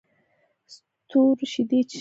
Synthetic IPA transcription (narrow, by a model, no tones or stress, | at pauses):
s | t̪uɾʃid̪et͡ʃ